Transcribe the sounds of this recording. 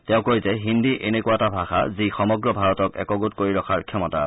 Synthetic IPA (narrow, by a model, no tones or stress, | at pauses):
tɛʊ̃koizɛɦindiʔenekuatabʱaxa̰zixɔmɔɡɹɔbʱaɹɔtɔkɛ̰kɔɡut̚koɹiɹɔkʰaɹkʰɛmɔta̰